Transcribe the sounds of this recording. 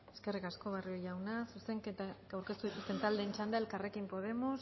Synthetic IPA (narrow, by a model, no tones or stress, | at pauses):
eske̞rikasko̞β̞arioʝawnasuse̞ŋket̪aawɾkest̪uðit̪ust̪e̞nt̪ald̪e̞ːnt͡ʃand̪aelkare̞kimpo̞ð̞e̞mo̞s